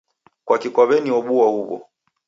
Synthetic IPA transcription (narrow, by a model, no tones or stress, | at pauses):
kwakikwaβɛniwɔɓuahuβɔ̰